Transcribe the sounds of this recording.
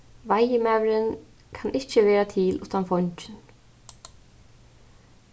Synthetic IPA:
vajɪmawɾɪn | kʰanʔɪht͡ɕɪvɛːɾat̪ʰɪlʔuht̪anfɔɲt͡ɕɪn

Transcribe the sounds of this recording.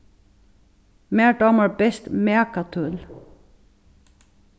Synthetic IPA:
meːɖɑːməɹbɛst̪meːkɑt̪ʰʉl

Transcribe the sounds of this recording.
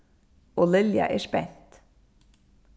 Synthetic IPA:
ɔlɪlja̰ʔɛspɛn̥t̪

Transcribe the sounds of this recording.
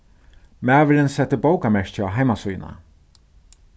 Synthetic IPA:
mæːʋɪlɪnsɛt̪ːɪbowkamɛʂt͡ɕaɦajmasujna̰

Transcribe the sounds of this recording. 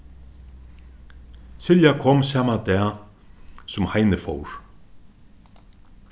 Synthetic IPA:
sɪljakʰɔmsaːmat̪ɛː | sʊmhajnɪfɔwɾ̥

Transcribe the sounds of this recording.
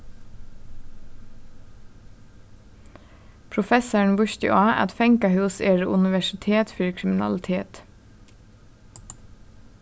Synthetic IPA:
pʰɹʊfɛsəɳ̩ʋʉʃt̪ɪ̰ʔɑːʔæ̰t̪fɛŋkɑhʉːseːɹəʔʉnɪʋæʃɪt̪ʰeːt̪fyɹkʰɾɪmɪnɑ̰lt̪ʰeːt̪

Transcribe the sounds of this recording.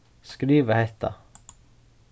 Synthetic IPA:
skɾiːʋəhɛt̪ʰɑ̰

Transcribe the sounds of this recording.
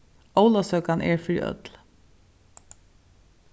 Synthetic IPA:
owlasœːkanɛ̰ɹfɾiʔœ̰t̪l

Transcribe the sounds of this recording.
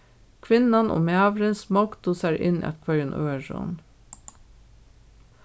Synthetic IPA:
kʰʋɪnɑnʔo̰ːmæːʋɾənsmɑɡd̪ʊsæɾʔɪ̰nʔæ̰t̪kʰʋœjənʔøːəʃɔ̰n

